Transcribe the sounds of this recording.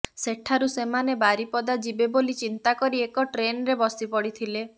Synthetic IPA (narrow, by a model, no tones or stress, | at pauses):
seʈʰaɾusemanebaɾipɔd̪ad͡ʒibebolit͡ʃint̪akɔɾiekɔʈɾenɔɾebɔsipɔɽit̪ʰile